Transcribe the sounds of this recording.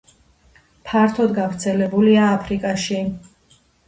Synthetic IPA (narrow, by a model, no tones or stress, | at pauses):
pʰaɾt̪ʰɔd̪ɡavɾt̪sʰɛlɛbuliaːpʰɾikʼaʃi